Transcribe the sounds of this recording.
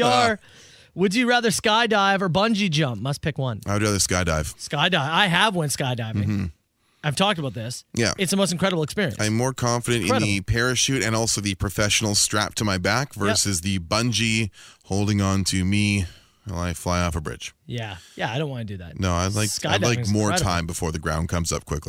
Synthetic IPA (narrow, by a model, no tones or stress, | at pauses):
ə | wɨd͡ʒɨɹæðə˞skaɪdaɪvə˞bʌ̃nd͡ʒid͡ʒʌ̃mp̚mʌspʰɪkwʌ̃naɪwɨd̚ɹæðə˞skaɪda̰ɪv̥skaɪdaɪvaɪəvwʌ̃nskaɪdaɪvɪ̃ŋ̩ | aɪv̥tʰɔk̚təbaʊt̪̚ðɪsjæ̰ɨtsəmoʊstn̩kʰɹ̥ɛɾəbl̩ˠɨkspɪɹḭɨ̰ɨ̃ãɪ̃mːɔɹkʰɑ̃ɱfɨɾɨ̃ɨ̃ntɨ̃ɹnɛɾɨpʰɛɹɨʃʉɾɨ̃nɔlˠsoʊðɨpʰɹ̥ɨfɛʃn̩l̩ˠstɹ̥æ̰p̚tʰɨmaɪbækvɜ˞sɨzðɨbʌ̃nd͡ʒihoʊlˠdɪ̃ŋə̃ntʰɨmi | ə̰̃naɪflaɪɔfəbɹɪ̰d̥ʒ̥jæjæaɪɾõʊ̃nʔwɑ̃ntɨdɨðæ̰t̚noʊaɪlaɪkskaaɪlaɪkmɔɹtʰãɪ̃mbəfɔɹðɨɡɹã̰ʊ̃nkʰʌ̃mzʌ̰p̚kʰw̥ɪkli